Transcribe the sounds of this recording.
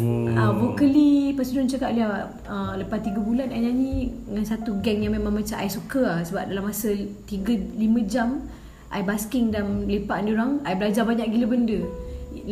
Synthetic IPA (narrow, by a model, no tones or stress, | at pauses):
əvokəlipəsudʊnt͡ʃakaʔliaʔ | ələpat̪ːiɡəbulanajɲaniŋansat̪uɡɛŋjaŋmemãŋmat͡ʃaʔajsukəasəbap̚dalamːasət̪iɡəlimə̃d͡ʒam | ʔa̰jbaskɪŋdamlepaʔndioɾaŋajbəlad͡ʒabaɲaʔɡiləbəndə